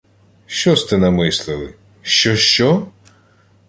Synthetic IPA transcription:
ʃt͡ʃɔst̪ɪnɐmɪslˠɪlˠɪ | ʃt͡ʃɔʃt͡ʃɔ

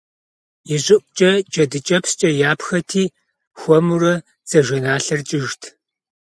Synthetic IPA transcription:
jɪʑʼɪʔʷʼt͡ʃʼɐt͡ʃʼɐdɨt͡ʃʼɐpst͡ʃʼɐjaːpxɐtʰiː | xʷɔmurɐ | t͡sʼɐʒʷɐnaːɬɐrt͡ʃʼɪʒtʰ

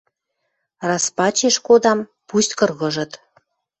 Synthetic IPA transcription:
rɑspɑt͡ɕeʃkod̪ɑm | pusʲt̪ʲkɤ̆rɣɤ̆ʒɤ̆t̪

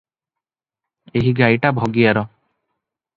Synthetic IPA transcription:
eɦiɡajʈabʱoɡijaɾɔ

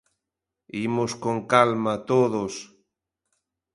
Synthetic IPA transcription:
imoskoŋkalmat̪oðos

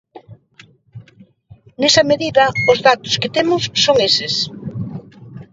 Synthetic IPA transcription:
nesɐmeðiðɐʊzðat̪ʊ̥sket̪emʊsːoŋesɪs

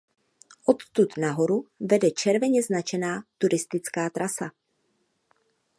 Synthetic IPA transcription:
ʔo̞t̪t̪ut̪naɦo̞ɾuvɛdɛt͡ʃɛɾvɛɲɛznat͡ʃɛnaːt̪uɾɪst̪ɪt͡skaːt̪ɾʔasa

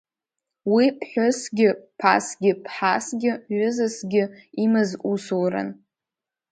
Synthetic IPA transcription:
wipʰħʷʊsɡʲɪpʰa̰sɡʲɪpʰħasɡʲɪɥʊzɨsɡʲɪimɨzusowɾa̰n

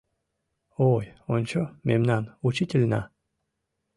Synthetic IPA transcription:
ojont͡ɕomemnanut͡ɕit̪ʲelʲna̰

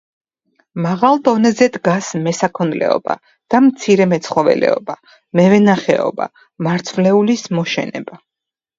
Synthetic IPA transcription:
maʁalˠd̪ɔnɛzɛd̪ɡasmɛsakʰɔnlɛ̰ɔba̰ | d̪̥amt̪sʰiɾɛmɛt̪sʰχɔvɛ̰lɛ̰ɔba | mɛvɛnaχɛ̰ɔ̰ba̰ | maɾt̪sʰvlɛulismɔʃɛ̰nɛ̰ba

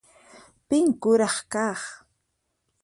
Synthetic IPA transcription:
pɪŋkʊɾɑχkɑχ

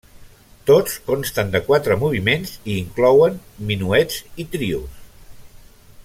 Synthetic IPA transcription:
t̪ot͡skomst̪ənd̪əkwat̪ɾəmuβ̞imenziːŋklɔwəmminuɛzit̪ɾius

